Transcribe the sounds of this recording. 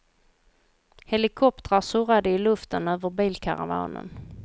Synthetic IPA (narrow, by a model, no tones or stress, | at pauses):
hɛlɪkʰɔp̚t̪əɾasɵɾad̪əɪlɵft̪ənøːvəɾbiːlkʰa̰ɾa̰va̰ːnə̰n